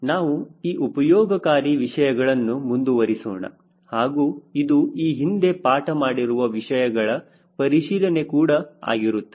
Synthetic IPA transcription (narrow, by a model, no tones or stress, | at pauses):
naːʋuiːʔupɐjɔːɡɐkaːɾiʋiʂɐjɐɡɐɭɐnːumund̪uʋɐɾisɔːɳɐ̰ | haːɡuːid̪uiːɦind̪e̞paːʈɐmaːɽiɾuʋɐʋiʂɐjɐɡɐɭɐ | pɐɾiʂiːɾɐne̞kuːɽɐa̰ːɡiɾut̪ːe